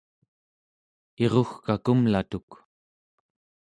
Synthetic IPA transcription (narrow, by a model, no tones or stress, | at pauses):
e̞ʁoxkakumlat̪uk